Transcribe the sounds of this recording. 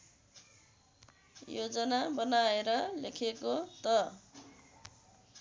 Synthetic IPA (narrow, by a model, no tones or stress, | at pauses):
jod͡zʌnabʌnaeɾʌlekʰekot̪ʌ